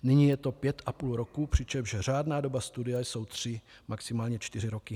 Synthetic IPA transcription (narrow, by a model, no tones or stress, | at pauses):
nɪɲiːjɛt̪o̞pjɛt̪ʔapuːlɾokupr̥ɪt͡ʃɛmʒɛr̝aːdnaːdo̞bast̪udɪjajso̞wt̪r̥ɪ | maksɪmaːlɲɛt͡ʃt̪ɪr̝ɪɾo̞kɪ